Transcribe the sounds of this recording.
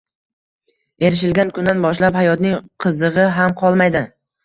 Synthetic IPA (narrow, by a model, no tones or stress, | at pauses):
e̞ɾɪʃ̬ɪlɡʲankʰʊnd̪anbɒʃlaphajɒt̪nɪŋqʰɨzɨʁɨɦamqʰɒlˠmajd̪ɪ